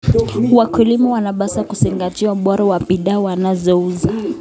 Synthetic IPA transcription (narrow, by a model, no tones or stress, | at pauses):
wakilimɔwanaɓasakusiŋɡatiwaɓɔɾawapiɗawanazɔuza